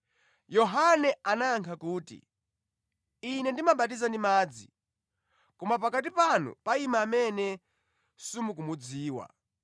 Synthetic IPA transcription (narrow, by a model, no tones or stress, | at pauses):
jɔɦanɛanaːŋkʰakuːtḭ | inɛndimaɓat̬izandimaːd͡zi | kɔmapakat̬ipanṵpaimaːmɛnɛ | sumuk̬umud͡ziːwa̰